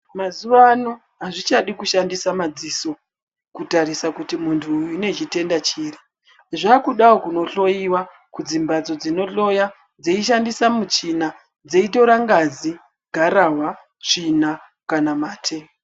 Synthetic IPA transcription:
mazuʋano | ɦaʐit͡ʃaɗikuʃandisamad͡ziːso̞ | kutaɾisakutimuntʰuːne̞t͡ʃite̞ndat͡ʃiːri | ʐakuɗaokuno̞ɬo̞iwa | kud͡zimbad͡zo̞d͡zino̞ɬo̞ja | d͡zeiʃ̬andisamut͡ʃina | d͡ze̞ito̞ɾaŋɡad͡zi | ɡʱaɾaɦwa | t͡ʂina | kanamaːtʰe̞

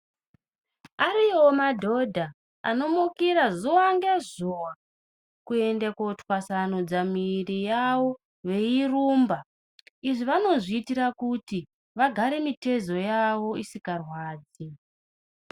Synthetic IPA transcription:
aɾio̞madʱo̞dʱaː | no̞mukiɾazuwaŋɡezuwa | kue̞ndakotwasanod͡zamirijawo̞ | ʋe̞iruːmba | iʐiʋano̞ʐiːtirakuti | ʋaɡʱaɾe̞mite̞zo̞jaʋo̞isikarwaːd͡zi

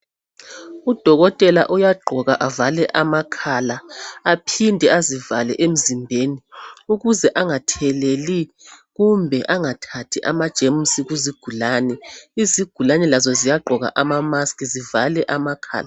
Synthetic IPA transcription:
ud̥ʱɔɣɔtʼɛla̰ʔujaɡ͡ǃʱɔɣaʔavalɛʔamakʰalaːpʰindʱɛazivalɛʔem̩zimbʱeniuɣuzɛʔaŋatʰɛleli | ɣumbʱɛʔaŋatʰatʰiʔamad̥ʒ̥ʱemusiɣuziɡ̥ʱulaːnɛiziɡ̥ʱulanɛlazɔzijaɡ͡ǃʱɔɣa̰ʔamamaskʼizivalɛʔamakʰa̰ːla

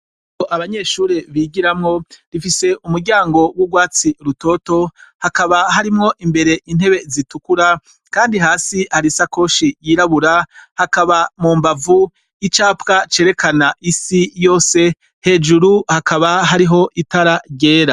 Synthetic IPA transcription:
oʔaβaɲe̞ʃuːɾeβiːɟiɾamŋo̞ɾifise̞ʔumuɾɟaːŋɡo̞wubɡwaːt͡siɾuto̞to̞hakaβaɦaɾimŋo̞ʔimbe̞ɾe̞ʔin̥he̞βe̞zitukuɾa | kaːndiɦaːsihaɾisako̞ːʃijiːɾaβuɾahakaβamuːmbavu | it͡ʃaːpkat͡ʃe̞ːɾe̞kanaʔisijo̞ːse̞ | he̞ːd͡ʒuɾuhakaβaɦaɾiɦo̞ʔitaɾaɟe̞ːɾa

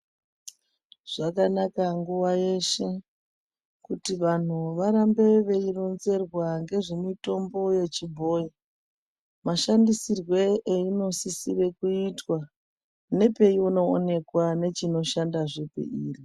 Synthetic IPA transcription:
ʐ̥akanakaŋɡuwaje̞ʃe̞ | kutiʋan̤uʋaɾambe̞ʋe̞ironze̞rwaŋɡe̞ʐe̞mito̞mbo̞je̞t͡ʃibʱo̞ːji | maʃandisirwe̞eino̞sisire̞kuitwa | ne̞pe̞iuno̞̰ːne̞kwane̞t͡ʃino̞ʃandaʐepḛiːri

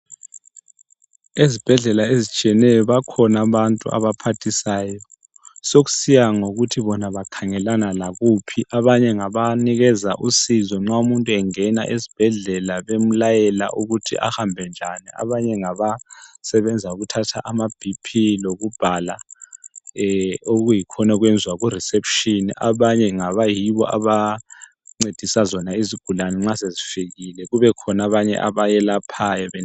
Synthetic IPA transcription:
ezib̥ʱɛɮɛlaezit͡ʃʼiɛnɛjɔβakʰɔnaβantʼṵʔa̰βapʰatʰisaːjɔ | soɣu̥sijaŋoɣutʰiβɔnaβakʰaŋɛlanalaɣupʰiʔaβaɲɛŋaβaniɣɛzaʔusizɔŋ͡ǁaumuntʼuɛŋɛna̰ʔezi̥b̥ʱɛɮɛlaβem̩lajɛla̰ʔuɣutʰḭʔa̰hambʱɛnd͡ʒʱaniʔa̰βaɲɛŋaβasɛβɛnd͡zʱauɣutʰatʰa̰ʔamab̥ʱipʰiloɣub̥ʱala | oɣujikʰɔnaɣwɛnd͡zʱwaɣurisepʰʃiniʔaβaɲɛŋaβajiβɔ̰ʔa̰βa | ŋ͡ǀed̥ʱisazɔnaiziɡ̥ʱulanɛŋ͡ǁasezifiɣilɛɣuβɛkʰɔnaβaɲɛ̰ʔa̰βajɛlapʰajɔβɛ

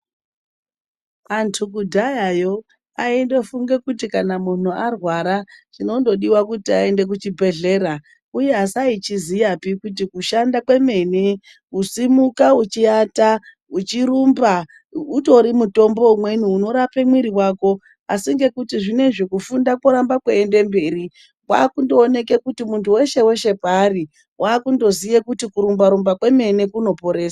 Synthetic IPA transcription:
antʰukudʱajajo̞ | aende̞fuŋɡe̞kutikanamun̤uarwaɾaʐino̞ndo̞ɗiwakutiae̞nde̞k̬ut͡ʃibʱe̞ɮe̞ːɾa | uje̞asait͡ʃizijapikut̬ikuʃandakwe̞me̞ni | usimukaut͡ʃiata | ut͡ʃiɾumba | uto̞ɾimuto̞mbo̞umwe̞nuːno̞ɾapemwiɾiwaːko̞ | asiŋɡe̞kutiʐine̞ʐekufundakoɾambakweende̞mbe̞ːɾi | wa̰ːkundo̞ːne̞ke̞kutimuntʰuwe̞ʃe̞we̞ʃe̞paɾi | wʔaːkundo̞zijekutikuɾumbaɾumbakwe̞me̞nekuno̞po̞ɾeːsaa

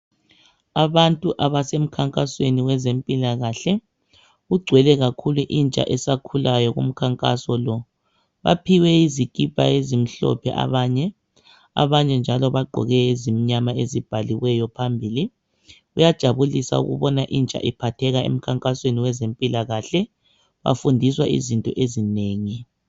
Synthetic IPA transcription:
aβantʼuʔaβasem̩kʰaŋkʼasweniwɛzempʼilaɣaɬɛ | ɣuɡ͡ǀʱwɛlɛɣakʰuluʔint͡ʃʼa̰ʔɛsakʰulajɔɣṵm̩kʰaŋkʼasɔlɔ | βa̰pʰiwɛizikʼipʼa̰ezim̩ɬɔ̰pʰɛ̰ʔa̰βaɲɛ | a̰βaɲɛnd͡ʒʱalɔβaɡ͡ǃʱɔ̰ɣɛezimiɲamaezib̥ʱaliwɛjɔpʰambʱiːli | ujad̥ʒ̥ʱaβulisa̰ṵɣṵβɔnaʔint͡ʃʼa̰ʔipʰatʰɛɣaḛm̩kʰaŋkʼasweniwɛzempʼilaɣaɬɛ | βa̰fundʱiswaʔḭzintʼɔʔezineːŋi

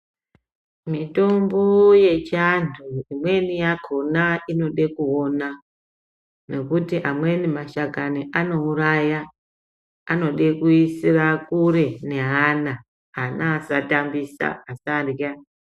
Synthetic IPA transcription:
mito̞mbo̞je̞t͡ʃantʰuimwe̞nijakʰo̞naino̞ɗe̞kuona | ne̞kutiʔamwe̞nimaʃaɡaniʔano̞uraja | ano̞ɗekuisirakuɾe̞ne̞ɦana | anasatambisa̰ːsarja

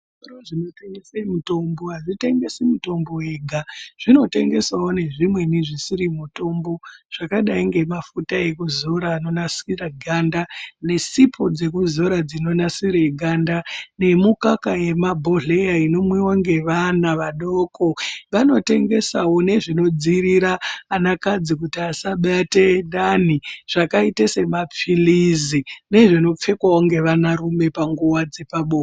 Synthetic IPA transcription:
soroʐinoteŋɡesemuto̞mboɦaʐite̞ŋɡe̞simuto̞mboeɡʱaʐ̥ino̞te̞ŋɡe̞sawo̞ne̞ʐimwe̞niʐisiɾimuto̞mbo̞ʐ̥akaɗaiŋɡe̞mafutae̞kuzo̞ɾaːno̞nasiraɡʱandane̞sipʰo̞d͡ze̞k̬uzoɾad͡zino̞nasiɾeɡʱandane̞mukakaje̞mabʱo̞ɮe̞jaino̞mwewoŋɡe̞ʋanaʋaɗo̞ːko̞ʋano̞te̞ŋɡe̞sawo̞ne̞ʐino̞d͡ziɾiɾaːnakad͡zik̬utiasaɓate̞ɗan̤iʐ̥akaitese̞map͡filizine̞ʐino̞p͡fe̞kwawoŋɡe̞ʋanarume̞paŋɡuwad͡ze̞paɓoː

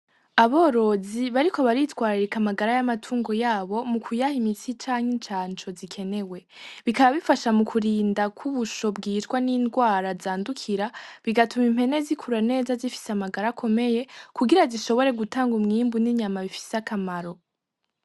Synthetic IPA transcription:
aβo̞ːɾo̞ziβaɾiko̞βaɾitwaːɾiɾikamaɡaɾajamatʰuːŋɡo̞jaːβo̞mukʰujahimit͡sit͡ʃaːŋ̥int͡ʃaːnt͡ʃo̞zikʰe̞ne̞we̞ | βikaβaβifaʃamukʰuɾiːndakʰuβuʃo̞bɡiːtkwaniːndɡwaːɾazaːndukʰiɾaβiɡatumim̥he̞ne̞zikʰuɾane̞ːzazifi̥seamaɡaɾakʰo̞me̞je̞kuɡiɾaziʃo̞βo̞ɾe̞ɡutaːŋɡumŋiːmbuniɲamaβifi̥seakʰamaɾo̞

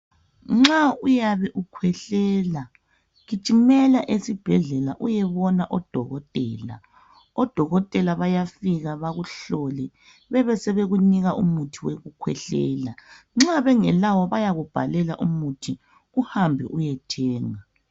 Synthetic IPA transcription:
ŋ͡ǁaujaβɛʔukʰwɛɬɛːla | ɣit͡ʃʼimɛlaʔesib̥ʱɛɮɛlaʔujɛβɔnaʔɔd̥ʱɔɣɔtʼɛ̰ːla̰ | ɔd̥ʱɔɣɔtʼɛlaβajafiɣaβaɣuɬɔlɛ | βɛβɛsɛβeɣuniɣaʔumutʰiweɣukʰwɛɬɛ̰ːla | ŋ͡ǁaβɛŋɛlawɔβajaɣub̥ʱa̰lɛlaʔumutʰi | ɣuhambʱɛ̰ʔujɛtʰɛːŋa

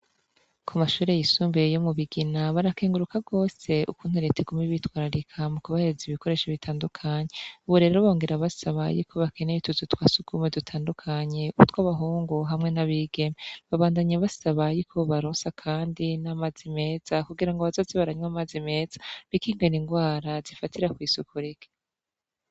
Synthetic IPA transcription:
kʰumaʃuːɾe̞jisuːmbejomuβiɡinaβaɾakeːŋɡuɾukaɡo̞ːse̞ṵkuːn̥huɾeteɡumiβitwaːɾaɾikʰamukuβaheziβiko̞ɾe̞ʃaβitʰaːndukʰaɲe̞uβuɾe̞ɾoβoːŋɡe̞ɾaβasaβa̰jikʰo̞βake̞nejituzutwaːsuɡumedutʰaːndukʰaɲe̞uβutwaβaɦuːŋɡoɦamŋe̞naβiɡ̥e̞meβaβaːndaɲeβasaβajikʰoβaɾoːnsakʰaːndinamazime̞ːz̥akuɡiɾaŋɡoβazo̞ːzeβaɾaɲwamazime̞ːz̥ḁβikiːŋɡeniŋɡwaːɾazifatiɾakwiːsukuɾike̥

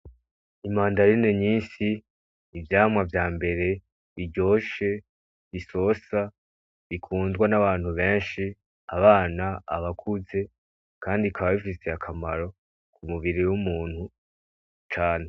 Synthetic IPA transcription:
imaːndaɾineɲiːnsiː | vjaːmwavjaːmbe̞ɾe̞ | iɟo̞ːʃe̞ | βiso̞sa | βikʰuːnzɡwanaβaːn̥huβe̞ːnʃi | aβaːnaːβakʰuze̞ | kaːndikʰaβaβifise̞akʰamaɾo̞ | kʰumuβiɾiwumuːn̥hu | t͡ʃaːne

